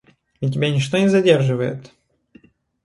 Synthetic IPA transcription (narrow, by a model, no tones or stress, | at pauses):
itʲɪbʲanʲɪʂt̪onʲɪzɐdʲerʐɨvəjɪ̰t̪